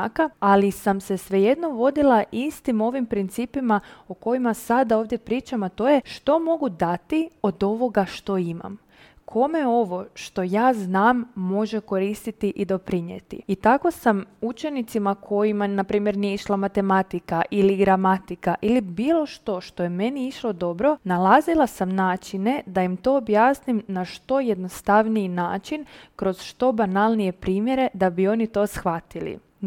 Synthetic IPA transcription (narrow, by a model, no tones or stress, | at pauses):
kaalisamse̞sʋe̞je̞d̪no̞ʋo̞d̪ilaʔist̪imo̞ʋimpɾint̪siːpimaoko̞jimasad̪ao̞ːʋd̪je̞pɾiːt͡ʃamat̪o̞ːje̞ʃt̪o̞mo̞ɡud̪at̪io̞d̪o̞ʋo̞ɡaʃt̪o̞ima̰m | kʰo̞me̞o̞ʋo̞ʃt̪o̞jaːznaːmːo̞ʒe̞ko̞ɾist̪it̪iʔid̪o̞pɾiɲe̞t̪ḭit̪ako̞samut͡ʃe̞nit̪simakʰo̞jimanapɾiːmje̞ɾnijeiʃlˠamat̪e̞mat̪ikaʔiliɡɾamat̪ikaʔilibiːlˠo̞ʃt̪o̞ʃt̪o̞je̞me̞niiʃlˠo̞d̪o̞bɾo̞nalazilˠasamnaːt͡ʃine̞d̪aimt̪o̞ːbjaːsnimnaʃt̪o̞je̞d̪no̞st̪aʋniinaːt͡ʃinkɾo̞z̥ʃt̪o̞banalˠnije̞pɾiːmje̞ɾe̞d̪abio̞nit̪o̞sxʋat̪ilḭ